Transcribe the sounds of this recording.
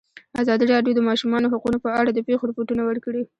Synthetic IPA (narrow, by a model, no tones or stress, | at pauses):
azɑd̪iɾɑɖjod̪əmɑʃumɑnoɦaqunopəaɽad̪əpexoɾapoʈunawəɽkəɽi